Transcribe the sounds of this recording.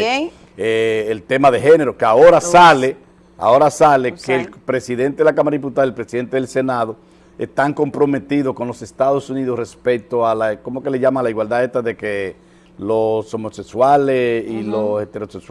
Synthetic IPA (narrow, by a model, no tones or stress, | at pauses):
eːlt̪e̞maðe̞ɦe̞ne̞ɾokeaoɾasale | a̰o̞ɾasalekelpɾe̞siðe̞nt̪eðelakamaɾaðip̬ut̪aðaelpɾesiðe̞nt̪e̞ðelse̞naðo | ḛst̪aŋko̞mpɾo̞me̞t̪iðo̞sko̞nlo̞se̞st̪aðosuniðore̞spek̚t̪oalakomokeleʝamaŋlaiɣwald̪ae̞st̪aðe̞ke | loso̞mo̞sekswalesiloset̪e̞ɾo̞seks